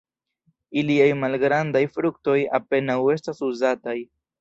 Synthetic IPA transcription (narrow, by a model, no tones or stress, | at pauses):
iliajmalɡɾandajfɾuk̚to̞ja̰pe̞nawe̞stasuzataj